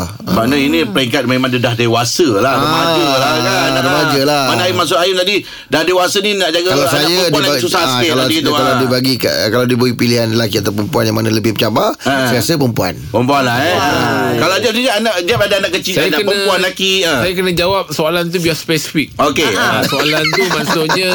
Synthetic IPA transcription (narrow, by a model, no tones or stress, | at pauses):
əmanainĩpəɾiŋkat̪̚mẽmãŋdədahdewasəlaɾəmad͡ʒəaaɾəmad͡ʒəlamanajimas̬ʊʔajəmt̪adi | dahdewasəninaʔd͡ʒaɡakalasajadlsusaalaiikaladibaɡika̰ʔkaladibəɡipiliɦanlakiat̪awpəmpuanjaŋmanaləbɪhmət͡ʃabasaasəpəmpua̰npəmpuanla | kalad͡ʒaid͡ʒaʔanaʔd͡ʒap̚adaanaʔkət͡ʃisajakənpəãpuanlakiə̃sajakənəd͡ʒawap̚soalant̪̬ubiaspɛsi̥fik̚okeasoalant̪umãsʊʔɲə̃